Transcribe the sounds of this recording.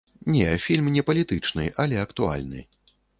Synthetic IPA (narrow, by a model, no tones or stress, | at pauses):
nʲɛfʲilʲmnʲɛpɐlʲit̪ɨt͡ʂnɨ̰ʔɐlʲɛɐkt̪ua̰lʲnɨ̰